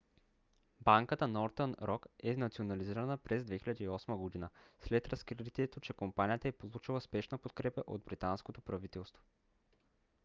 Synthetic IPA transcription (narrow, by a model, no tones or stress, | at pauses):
baŋkət̪ənɔɾt̪ənɾɔkɛnɐt̪sionɐliziɾɐnəpɾɛzd̪vɛxilʲəd̪iiɔsməɡod̪inəslɛt̪ɾɐskɾit̪iɛt̪ot͡ʃɛkompanijət̪əɛpolˠut͡ʃilˠəspɛʃnəpot̪kɾɛpəʔod̪̚bɾit̪anskot̪opɾɐvit̪ɛlˠst̪vo̥